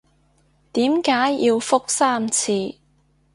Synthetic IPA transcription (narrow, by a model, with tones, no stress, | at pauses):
t̪iː˨˥mkaː˨˥jːiː˧wfʊ˥k̚saː˥mt͡sʰiː˧